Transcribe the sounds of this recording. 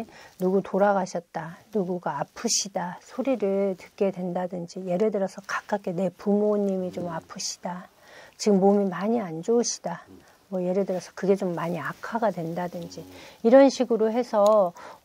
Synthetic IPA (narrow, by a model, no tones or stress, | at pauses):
nuɡutoɾaɡaɕʰʌt̚t͈anuɡuɡaːpʰɯɕʰidasʰoɾiɾɯɭtɯk͈e̞dwe̞ndadɯnd͡ʑije̞ɾedɯɾʌsʰʌkḁk͈ak͈ʰene̞pumoɲːimit͡ɕomapʰɯɕʰi̥d̥a | t͡ɕiɡɯmːomimaɲiand͡ʑouɕʰi̥d̥a | mwʌje̞ɾedɯɾʌsʰʌkɯɡe̞t͡ɕomːaɲiakʰaɡadwe̞ndadɯnd͡ʑiiɾʌnɕʰiɡɯɾoɦe̞sʰʌ